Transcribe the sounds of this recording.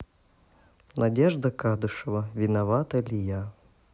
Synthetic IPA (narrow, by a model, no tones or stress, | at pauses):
nʔadʲɛʐd̪ɐkad̪ʊʂɐvɐvʲinavat̪ɐlʲija